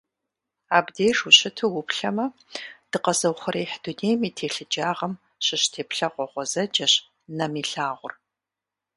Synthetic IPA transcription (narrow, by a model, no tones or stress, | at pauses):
aːbdeːjʂuɕɪtʰuwʊpɬɐmɐ | d̥ɨqɐzɐwχʷɐɾeːħduneːjmiːtʰeːɬɨd͡ʒaːʁɐm | ɕɪɕtʰeːpɬɐʁʷɔʁʷɔzɐd͡ʒɐɕ | nɐmiːɬaːʁʷʊr